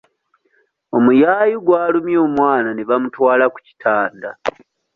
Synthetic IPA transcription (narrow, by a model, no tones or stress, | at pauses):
o̞mujaːjiɡwaːlumjoːmwaːnaneβamutwaːlaku̥ci̥tʰaːnda